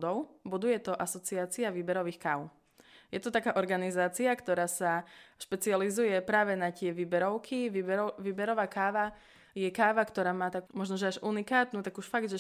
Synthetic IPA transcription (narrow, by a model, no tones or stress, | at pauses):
d̪ɔʊbud̪ujɛt̪ɔʔasɔt͡siaːt͡siaʋiːbɛɾɔʋiːxka̰ːʊ | jɛt̪ɔt̪akaːʔɔɾɡanizaːt͡siakt̪ɔɾaːsaʃpɛt͡sializujɛpɾaːʋɛnac̪ɪɛʋiːbɛɾɔʊkʰiʋʋiːbɛɾɔʋaːkaːʋa | jɛkaːʋakt̪ɔɾaːmaːt̪akmɔʒnɔʒɛaʒunikaːt̪nuːt̪aɡuʃfaɡd̪ʒɛ